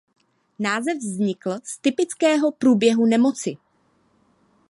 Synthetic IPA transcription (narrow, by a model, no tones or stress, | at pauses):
naːzɛvzɲɪkl̩st̪ɪpɪt͡skɛːɦo̞pɾuːbjɛɦunɛmo̞t͡sɪ